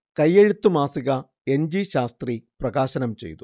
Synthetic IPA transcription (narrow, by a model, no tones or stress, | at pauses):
kɐjːeɻut̪ːumaːsiɣɐ | end͡ʑiʃaːst̪ɾiprɐɡaːʃɐnɐmt͡ɕe̞̰jt̪u